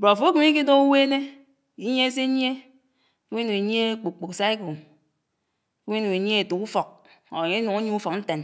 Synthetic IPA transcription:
bo˨fo˦ki˨m˦i˦ki˦do˦u˦we˦ne˦ | i˦ɲ˦e˦se˦ɲ˦e˦ | ki˦e˦nu˨e˨ɲ˦e˦k͡pu˨k͡pu˨ksa˦e˦ko˨˦ | we˦nu˨e˨ɲ˦e˦e˨tu˨ku˦fɔ˨k̚ | o˨ŋe˦nu˨ŋu˦ɲu˦u˦fɔ˨k̚n̩˦te˨n

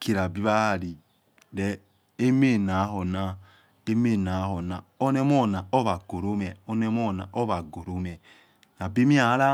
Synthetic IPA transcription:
kʰi˨ɾa˨bi˦βa˦˨ɾi˨ | ɾɛ˦ | e˦me˦˨na˨˦ɦo˨na˦ | e˦me˦˨na˨˦ɦo˨na˨o˦nɛ˦mo˦˨na˨o˦βa˨ɡo˨ɾo˦mɛ˨o˦nɛ˦mo˦˨na̰˨ʔo˦βa˨ɡo˨ɾo˨˦mɛ˨ | na˨bi˦mi˦a˨˦ɾa˦

